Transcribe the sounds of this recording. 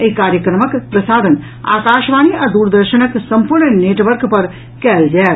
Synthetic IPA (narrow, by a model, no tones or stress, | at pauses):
əikaːɾjəkɾəməkpɾəsaːd̪ən | a̰ːkaːʃʋaːniad̪uːɾd̪əɾʃənəksə̃mpuɾɳneːʈʋəɾkpəɾ | kɛːld͡ʒaːe